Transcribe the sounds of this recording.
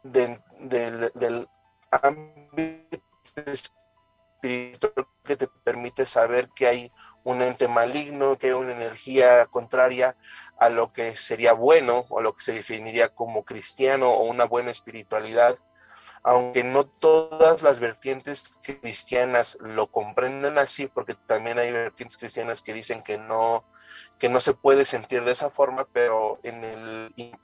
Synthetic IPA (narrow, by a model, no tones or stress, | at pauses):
den | d̪ed̪el | ambit̪ | es | piɾit̪wal | ket̪e̞pe̞ɾmit̪esaβe̞ɾkeaj | une̞nt̪e̞maliɣno̞keajunaene̞ɾxiako̞nt̪ɾaɾjaalo̞ke̞se̞ɾiaβwe̞no̞o̰lo̞ke̥se̞ðefiniɾiako̞mo̞kɾist̪jano̞ʔounaβwe̞naespiɾit̪waliðað | awŋke̞no̞t̪o̞ðazlazβe̞ɾt̪je̞nt̪e̞skɾist̪janazlo̞ko̞mpɾe̞nd̪enasipo̞ɾke̞t̪ambje̞najβeɾt̪jent̪eskɾist̪janaske̞ðise̞ŋke̞no | ke̞no̞se̞pwe̞ð̞e̞se̞nt̪iɾðesafo̞ɾmape̞ɾoenel